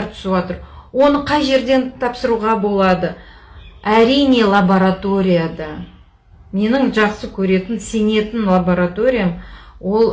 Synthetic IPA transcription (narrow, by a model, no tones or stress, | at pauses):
ɾt̪ʰʏ̥swot̪əɾwo̞nəqʰɑjʒe̞ɾd̪e̞nt̪ʰɑpsəɾuʁɑbo̞lˠɑd̪ə | æɾijne̞lˠaboɾat̪o̞ɾʲijad̪ɑ | me̞nɪŋʒɑqsəkʲʰɵɾe̞t̪ɪnse̞ne̞t̪ɪnlˠaboɾat̪o̞ɾʲijamwo̞lˠ